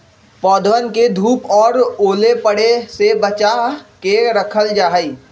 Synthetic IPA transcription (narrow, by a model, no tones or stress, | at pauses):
pɔːd̪wənked̪ʱuːpɔːɾoːlepəɽesebət͡ʃaɦkeɾəkʰəld͡ʒaːɦəiː